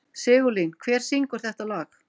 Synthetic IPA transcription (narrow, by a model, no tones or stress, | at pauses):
sɪːɣʏlinkʰvɛːɾ̥siŋkʏɾ̥θɛht̪alɔːx